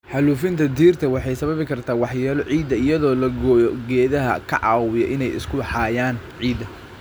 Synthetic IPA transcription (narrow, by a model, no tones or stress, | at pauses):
ħɑluːfɪnt̪ʰɐd̪iːrt̪ʰɐwɑħɑjsɐβɐβɪkʰɐrt̪ʰaːwɑħjɛːlɔʕiːd̪ɐɪjɐðɔːlɐɡɔjɔɡɛːðɐɦɐ̰kʰɐʕɑ̰ːwɪjɔ̰ʔɪnɛjɪ̰skʰʊbɑħɑːjaːnʕiːd̪ɐ